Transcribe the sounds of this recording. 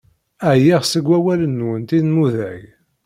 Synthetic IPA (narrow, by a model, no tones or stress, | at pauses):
æjiʁsəɡʷːæwælənːwənt̪inmuðæʝ